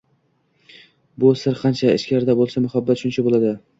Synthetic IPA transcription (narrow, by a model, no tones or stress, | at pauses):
bʊsɪɾqʰɑnt͡ʃʰaɪ̰ʃkʲaɾɪd̪abolˠsamʊhabːat̪ʃʊnt͡ʃʰabolˠad̪ɪ